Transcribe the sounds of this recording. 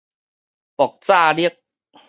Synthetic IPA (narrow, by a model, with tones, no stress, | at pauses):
pɔ˨˩k̚t͡saː˥˧li˦˥ək̚